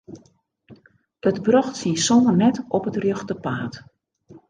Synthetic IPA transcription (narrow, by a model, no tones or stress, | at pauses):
ətbrɔxtsisɔmərnɛtɔpətrjøxtəpaːt